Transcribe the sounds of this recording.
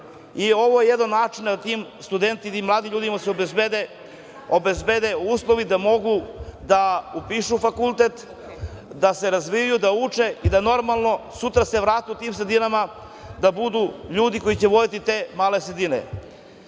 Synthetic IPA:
io̞ʋojejed̪anːaːt͡ʃinaat̪imst̪ud̪ent̪it̪imlˠaːd̪imʎuːd̪imaseobebed̪e | obezbed̪euːslˠoʋid̪amo̞ɡud̪aupiʃufakulˠt̪et̪ | d̪ase̞ɾazʋijajud̪aut͡ʂeid̪ano̞ɾmalˠno̞sut̪ɾaseʋɾaːt̪iut̪iːmsɾed̪inama | d̪abud̪uʎuːd̪iko̞jit͡ɕeʋo̞d̪it̪it̪e̞ːmaːlesɾed̪inḛ

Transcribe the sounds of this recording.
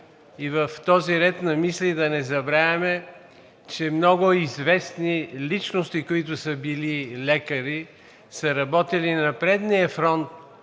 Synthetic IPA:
ivɐft̪ɔziɾɛt̪nɐmislid̪ɐnɛzɐbɾavʲɐmɛ | t͡ʃɛmnɔɡʊizvɛsnilit͡ʃnost̪ikoit̪̬ʊsəbililɛkəɾi | səɾɐbɔt̪ɛlinɐpɾɛd̪niəfɾɔnt̪̚

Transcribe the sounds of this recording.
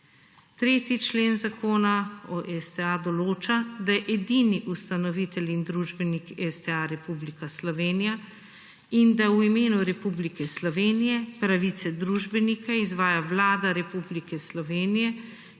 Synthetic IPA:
t̪ɾeːt̪it͡ʃleːnzakoːnaɔʔɛsd̪ɛad̪ɔloːt͡ʃad̪ajɛʔɛd̪iniʔust̪anɔʋit̪ɛlind̪ɾuːʒbɛnikɛsd̪ɛaɾɛpublikaslɔʋeːnija | ind̪awimeːnuɾɛpublikɛslɔʋeːnijɛpɾaʋit̪sɛd̪ɾuːʒbɛnikaizʋaːjaʋlaːd̪aɾɛpublikɛslɔʋeːnijɛ

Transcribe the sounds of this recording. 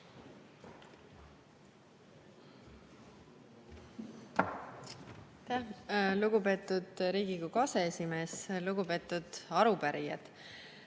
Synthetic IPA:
t̪æluɡ̥upe̞ːt̪ːˑud̪̥ɾiːɡ̥ikukɑseesime̞ːsluɡupe̞ːt̪ːud̪̥ɑɾupæɾijɑ̰d̪̥

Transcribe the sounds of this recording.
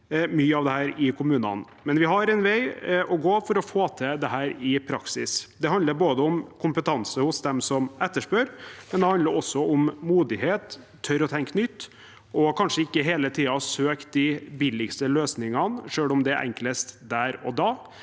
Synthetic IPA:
myːəɑʋd̪ɛhæːɾɪkʰʊmʉːnɑ̰n | mɛnʋɪɦɑɾɛnʋæɪʔɔɡoːfɔɾɔfoːt̪ʰɛd̪ɛɦæːɾɪpʰɾɑksɪ̰sd̪ɛɦɑnd̪əɾboːd̪əʊmkʰʊmpət̪ʰɑnsəhʊsd̪ɛmsɔmɛt̪ːəʂpøːɾmɛnd̪ɛhɑnd̪əɾɔsːɔʊmmuːd̪ɪɦeːt̪ʰː | œɾɔt̪ʰɛŋknʏt̪ː | ʔɔkʰɑnʂəɪkːəɦeːlət̪ʰiːɑsøːkt̪̚d̪ɪbɪlɪɡst̪əløːsnɪŋɑnʂøːlʊmd̪ɛʔɛ̰ŋkləst̪d̪æːɾɔd̪ɑː

